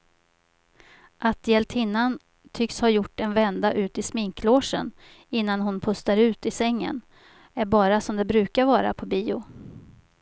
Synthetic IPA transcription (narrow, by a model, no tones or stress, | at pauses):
ʔat̪̚jɛlt̪ʰɪnːan | t̪ʰʏkshajʊʈːɛnvɛnd̪aʔʉ̟ːt̪ɪsmɪŋkʰloːʂə̰n | ɪnːanɦʊnpʰɵst̪aɾʉ̟ːt̪ɪsɛŋːə̰n | æɾbɑːɾasɔmd̪ɛbɾʉ̟ːkaɾvɑːɾa̰pʰɔbiːʊ